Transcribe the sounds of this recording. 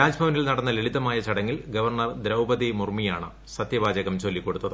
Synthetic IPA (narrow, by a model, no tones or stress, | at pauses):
ɾaːd͡ʑbʱɐʋɐnilnɐɽɐnːɐleɭiðːɐmaːjɐt͡ɕɐɽɐŋːilɡɐʋɐrɳɐrd̪ɾɐwbɐðimurmijaːɳɨ̰ | sɐt̪jɐbaːd͡ʑɐɣɐmt͡ɕo̞lːikːo̞ɽut̪ːɐðɨ